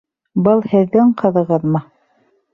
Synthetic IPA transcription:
bɤlˠhɘ̆ðːɘŋqɤ̆ðɤ̆ʁɤðmɤ

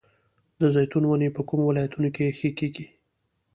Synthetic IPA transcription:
d̪əzajt̪unwanepəkumowɪlɑjat̪unokexəkeɡi

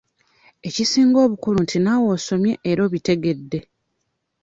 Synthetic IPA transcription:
e̞cisiːŋɡo̞ːβukuluntinawo̞ːso̞mje̞ʔːɾo̞ːβite̞ɡe̞dːe̞

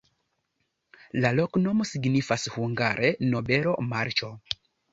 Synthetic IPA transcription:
lalokno̞mo̞siɡnifashuŋɡaɾʔeno̞be̞ɾo̞maɾt͡ʃo

